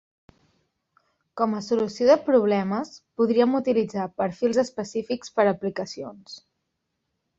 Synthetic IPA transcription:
kɔməsulusioðəpɾuβ̞lɛməspuðɾiəmut̪ilid͡zapəɾfilˠzəspəsifikspəɾəplikəsions

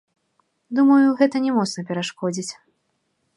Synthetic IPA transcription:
d̪umɐjuɣɛt̪ɐnʲɛmɔt̪snɐpʲɛɾaʂkɔd͡zʲit͡sʲ

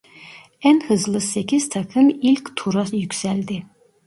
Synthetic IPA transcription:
ɛnhɨzlˠɨsɛkʲiz̥t̪ʰɑkʰɨmilkʲt̪ʰuɾɑjykʲsæld̪ɪ

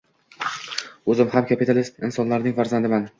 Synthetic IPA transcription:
ɵzɪmhamkʰʲapit̪ʰalɪst̪ɪnsɒnlaɾnɪŋfaɾzand̪ɪman

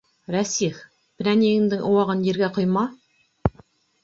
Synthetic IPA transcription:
ɾæsix | pɾʲæneɡɪŋd̪ɪŋʔuwɑʁənjeɾɡʲeqʰojmɑ

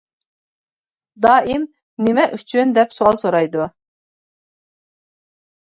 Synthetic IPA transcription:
d̪ɑːʔim | nemɛʔyt͡ʃʰynd̪ɛpsoɑlˠsoɾɑjd̪u

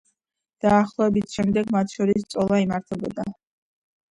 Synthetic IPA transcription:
d̪̥aːχlˠɔɛbit̪ʰʃɛmd̪ɛɡmat̪ʰʃɔɾist̪sʼɔlˠaimaɾt̪ʰɛbɔd̪a

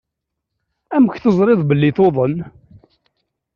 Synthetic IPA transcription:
æməçθəzˤɾɪðˤbəlːɪθoðˤən

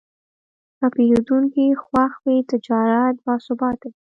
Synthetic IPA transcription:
apeɾd̪uŋkixwaxwet̪ɪd͡ʒɑɾat̪̚bɑsʊbɑt̪ai

